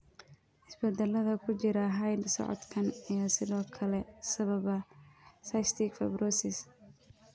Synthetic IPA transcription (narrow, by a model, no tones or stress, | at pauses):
hɪsbɛd̪ɛlɐðɐkʰʊt͡ʃɪɾɐɦɐjd̪sɔ̰ʕɔ̰d̪kʰɐnijɔsɪðɔːkʰɐlɛsɐβɐβɐsɐjst̪ʰɪkfɛbrɔːsɪs